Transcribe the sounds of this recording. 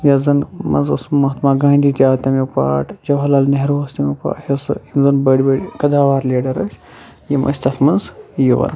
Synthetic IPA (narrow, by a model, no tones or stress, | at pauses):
jɐzɐnmɐ̰nzɐsmɐɦt̪maːɡaːnʲd̪ʲit̪ʲjaːt̪ʲamipa̰ːʈd͡ʒɐwɦɐlaːlneɦɾʋɐst̪ʲimʲipa̰ːhɐsɨimzɐnbəɽʲibəɽkɐd̪aːʋaːɾleːɖɐɾɐsʲ | jimʔɐ̰sʲt̪ɐt̪ʰmɐnzjiʋɐ̰n